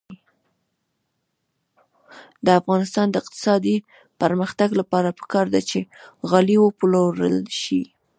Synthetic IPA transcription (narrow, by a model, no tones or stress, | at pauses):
d̪əafɣɑnɪst̪ɑnd̪əɪqt̪ɪ̥sɑd̪i | pəɾməxt̪aɡlapɑɾapə̥kɑɾd̪at͡ʃeɣaliwəploɾə̰lʃi